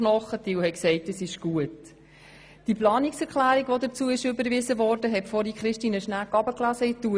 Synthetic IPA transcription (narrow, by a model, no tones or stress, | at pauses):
nɔχətiwhɛksɛɪtəsɪʃɡ̥uət | d̥iplɑːnɪksɛɾklæːɾiɡʋodət͡suəɪʃʏbəɾvɪzəvɔːɾdəɦɛtfɔɾikχɾɪʃtiːnəʃnækːɑbəklæzəitu